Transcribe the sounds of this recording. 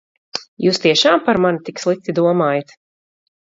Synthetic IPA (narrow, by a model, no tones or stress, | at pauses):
juːst̪iɛʃaːmpaɾmanit̪ikslˠik̚t̪id̪uɔmaːjat̪